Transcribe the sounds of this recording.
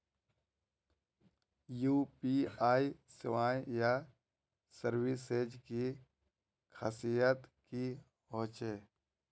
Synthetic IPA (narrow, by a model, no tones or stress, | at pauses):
juːpiaːisɪʋaːjja | səɾwɪsed͡ʒki | kʰa̰ːsijət̪ki | ɦõːt͡ʃeː